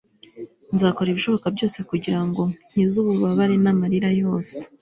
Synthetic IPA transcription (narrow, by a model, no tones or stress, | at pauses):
nzaːko̞ɾiβiʃo̞βo̞kabɟo̞ːse̞kuɟiɾaŋɡo̞n̥hizuβuβaβaɾinamaɾiɾajo̞ːse̥